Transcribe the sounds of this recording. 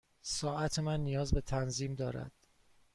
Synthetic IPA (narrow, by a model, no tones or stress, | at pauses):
sɒːæt̪ʰemænːijɒːzbe̞t̪ʰænziːmd̪ɒːɾæ̰d̪̥